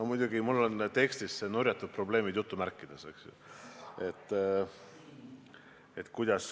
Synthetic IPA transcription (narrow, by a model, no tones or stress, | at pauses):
mujd̪̥ʲuɡimulːo̞nt̪e̞kst̪isenuɾʲjɑt̪ːˑud̪̚pro̞ble̞ːmid̪jut̪ːˑumærkːˑid̪̥ese̞ksjṵe̞t̪ː | et̪kujd̪̥ɑs